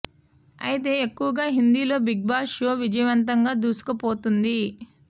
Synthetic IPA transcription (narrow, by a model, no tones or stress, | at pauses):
ɐ̰jit̪e̞ːekːuʋɐɡaːɦind̪iːlo̞ːbiɡ̚baːʃoːʋid͡ʒɐjɐʋɐnt̪ɐŋɡaːd̪uːsu̥kɐpo̞ːt̪und̪i